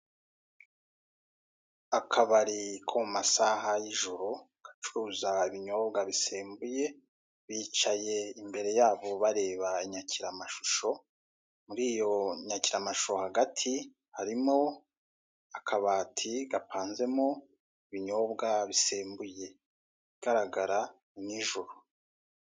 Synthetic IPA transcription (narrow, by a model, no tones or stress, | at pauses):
akʰaβaɾikʰomumasaɦajiʒuɾu | ɡ̥ḁt͡ʃuɾuzaiβiɲo̞ːbɡaβiseːmbuje̞ | βit͡ʃaje̞imbe̞ɾe̞jaːβo̞βaɾe̞ːβaiɲacʰiɾamaʃuʃo̞ | muɾiːjo̞ɲaciɾamaʃu̥ʃohaɡatʰi | haɾimo̞ | akʰaβaːtʰiɡapʰaːnze̞mo | iβiɲo̞ːβɡaβiseːmbuje̞ | βiɡ̥aɾaɡaɾa | niʒuɾu